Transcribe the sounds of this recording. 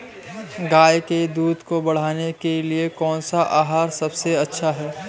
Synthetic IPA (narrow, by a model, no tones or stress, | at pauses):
ɡaːjked̪uːd̪kobɐɽ̤aːnekeliekɔːnsaʔaːɦaːɾsɐbseɐtːʃʰaɦɛː